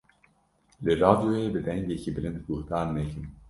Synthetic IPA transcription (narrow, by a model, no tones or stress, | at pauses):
lɨɾɑːd̪ijoebɨd̪ɛŋɡecibɨlɨnt̪ɡuht̪aːɾnɛkɨn